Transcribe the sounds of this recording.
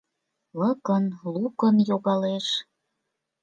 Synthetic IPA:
ləkənlukənjoɣɑleʃ

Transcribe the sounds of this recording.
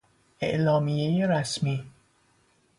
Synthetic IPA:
ʔḛʔlɒːmije̞jeɾæsmiː

